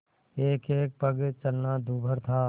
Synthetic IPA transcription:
eːkeːk̚pəɡt͡ʃəlnad̪uːbʱəɾt̪ʰaː

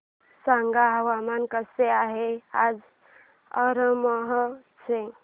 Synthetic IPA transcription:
saŋɡaɦəwamankəseaɦead͡ʒ | ə̰ɾəməɦə | t͡ʃʰe

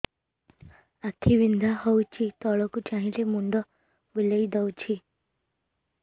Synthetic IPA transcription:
at̪ʰibind̪ʱahɔwt͡ʃʰit̪ɔɭɔkut͡ʃaɦĩlemuɳɖɔ | bilejd̪ɔwt͡ʃʰi

